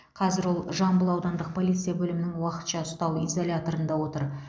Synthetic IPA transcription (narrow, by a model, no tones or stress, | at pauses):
qʰɑzɪɾwo̞lˠʒɑmbəlˠɑwd̪ɑnd̪əq̚pʰo̞lˠijt̪sɨjabɵlɪmɪnɪŋwɑqə̥t̪ʃɑʊst̪ɑwizo̞lʲat̪o̞ɾənd̪ɑwo̞t̪əɾ